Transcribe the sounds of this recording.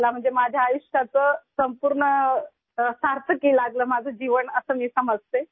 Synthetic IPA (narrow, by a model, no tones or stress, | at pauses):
lam̤əɳd͡zemad͡ʑʱjaːjuɕʈat͡səsəmpuɾɳə | saɾt̪əkiːlaɡləːmad͡zʱəd͡ʑiʋəɳəsəːmiːsəməd͡zʱt̪e